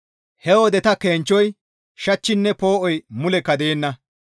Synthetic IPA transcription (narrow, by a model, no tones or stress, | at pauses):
hɛwɔd̪ɛt̪ɐkeːnt͡ʃːɔj | ʃɐt͡ʃːɪnːɛpo̞ːʔɔjmʊlɛkːɐd̪e̞ːnːɐ